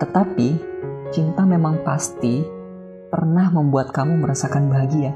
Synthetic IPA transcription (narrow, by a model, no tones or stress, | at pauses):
t̪ət̪apit͡ʃint̪amemaŋpast̪i | pərnahməmbuat̪̚kamuməɾasakanbaɦaɡia